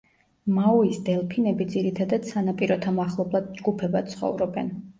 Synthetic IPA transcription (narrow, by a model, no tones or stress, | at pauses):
mauisd̪ɛlˠpʰinɛbid̪ziɾit̪ʰad̪ad̪̥sanapʼiɾɔt̪ʰamaχlˠɔblˠad̪̚d͡ʒɡupʰɛbat̪sʰχɔ̰vɾɔbɛn